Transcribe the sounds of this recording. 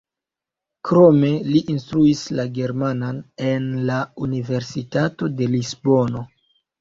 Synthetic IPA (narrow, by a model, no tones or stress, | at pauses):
kɾo̞me̞liʔinstɾuislaɡe̞ɾmanane̞nlaunive̞ɾsitato̞de̞lizbo̞no̞